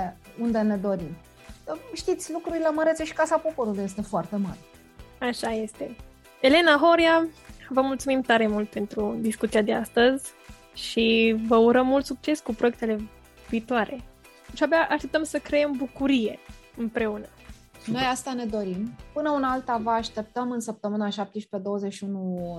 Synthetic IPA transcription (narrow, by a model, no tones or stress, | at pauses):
und̪ene̞d̪o̞ɾim | əʃt̪it̪sʲlukɾuɾileməɾet̪seʃi̥kasapo̞po̞ɾuluje̞s̬t̪e̞foart̪e̞maɾʲe | aʃaje̞st̪e | e̞le̞naɦo̞ɾjavəmult̪sumimt̪aɾe̞mult̪̚pe̞nt̪ɾud̪iskut̪sijad̪e̞a̰st̪əzʲ | ʃivəuɾəmːult̪suk̚t͡ʃe̞skupɾo̞jekt̪e̞le̞ | viːt̪oaɾʔe̞̰ | ʃiabeaʔaʃt̪e̞p̚t̪əmsəkɾejembukuɾije̞ɨmpɾe̞unə | ʃino̞jast̪ane̞d̪o̞ɾimpɨnəunalt̪avəaʃt̪e̞p̚t̪əmɨnsəp̚t̪əmɨnaʃap̚t̪eʃpe̞d̪o̞wəzeʃiunu